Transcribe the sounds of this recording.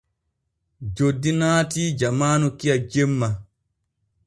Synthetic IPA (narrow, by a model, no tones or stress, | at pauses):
d͡ʒodːinaːtid͡ʒamaːnukijad͡ʒemːa